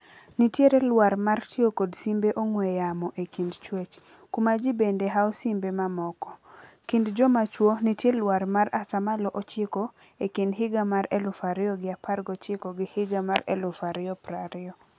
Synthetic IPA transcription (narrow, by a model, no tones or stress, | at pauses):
nitjeɾelwaɾmartjokodsimbeʔoŋwejamɔʔekindt͡ʃwet͡ʃ | kumad͡ʒibendeɦaɔsimbemamɔkɔ | kindd͡ʒɔmat͡ʃwonɪtjelwaɾmaɾatamalɔʔot͡ʃɪkɔ | ekindɦɪɡamaɾelʊfaɾɪɔɡɪapʰarɡɔt͡ʃɪkɔɡɪhɪɡamaɾḛlʊfaɾɪɔpɾaɾɪɔ